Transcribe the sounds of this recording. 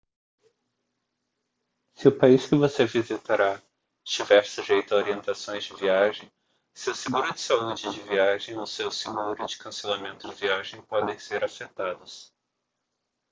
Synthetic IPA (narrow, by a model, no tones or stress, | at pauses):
sɪʊpaiskɪvosevizit̪aɾa | t͡ʃivɛɾsʊʒejt̪ʊɐoɾiẽnt̪asõj̃zd͡ʒɪviaʒẽj̃ | sewseɡuɾʊd͡ʒɪsaud͡ʒɪd͡ʒɪviaʒẽj̃osewseɡuɾʊd͡ʒɪkɐ̃selamẽnt̪ʊd͡ʒɪviaʒẽj̃pɔd̪ẽj̃seɾafet̪ad̪ʊs